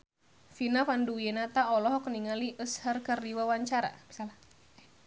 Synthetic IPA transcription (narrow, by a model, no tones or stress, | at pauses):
finafanduwiɛnat̪aɔlɔɦɔkəniŋaliʔəshərkərdiwawaɲt͡ʃaɾa̰b̥i̥sal